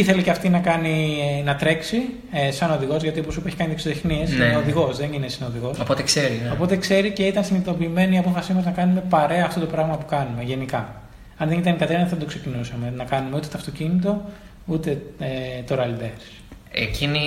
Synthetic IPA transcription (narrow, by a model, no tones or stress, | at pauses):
iθe̞liceɐft̪inɐkɐninɐt̪ɾe̞ksi | esɐno̞ðiɣo̞zʝɐt̪ioposupeçi̥kɐnit̪eksoðexniesineoðiɣo̞sðeninesinoðiɣo̞sopot̪ekseɾinopo̞t̪e̞kse̞ɾice̞it̪ɐnsinit̪o̞piːme̞niɐpo̞fɐsimɐznɐkɐnume̞pɐɾeɐːft̪o̞t̪opɾɐɣmɐpu̥kɐnume̞ʝe̞nikɐ | ɐnðenit̪ɐnikɐt̪enɐθɐd̪okse̞cinusɐme̞nɐkɐnumeut̪e̞t̪oɐft̪ocinit̪̬o̞ | ut̪e̞et̪o̞ɾɐld̪eɾs | ecini